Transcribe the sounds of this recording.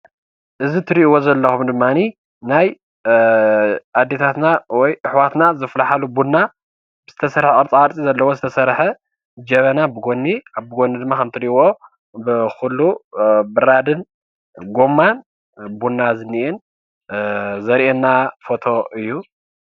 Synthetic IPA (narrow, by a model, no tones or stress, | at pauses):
ʔɨzit̪ʰɨɾiʔwo̞zɐlːɐxumd̪ɨmːani | naj | ad̪ːet̪ʰat̪nawɔjʔɨħwat̪nazɐflaħalubunːa | bɨz̥ɨt̪ʰɐsɐɾħʔʼɨɾt͡sʼaɾt͡sʼizɐlːɐwozɨt̪ʰɐsɐɾħe | d͡ʒɐβɐnabɨɡo̞nːiaβbɨɡonːid̪ɨmːakʰɐmt̪ʰɨɾiʔwo̞ | bɨxulːubɨɾad̪ɨn | ɡo̞mːan | bunːazɨnːiʔɛn | zɐɾʔenːafo̞t̪ʰo̞ʔɨjːu